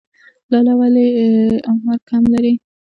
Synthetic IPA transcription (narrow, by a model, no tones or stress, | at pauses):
lɑlawaleamad̪̚kʰamlaɾi